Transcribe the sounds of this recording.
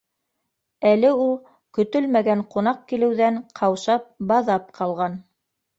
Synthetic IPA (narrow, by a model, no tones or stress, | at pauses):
ælɘulˠ | kɵ̆t̪ɵlmæɡæɴqunɑq̚kilɘ̆wðæŋqʰɑwʃɑp̚bɑðɑp̚qʰɑlˠʁɑn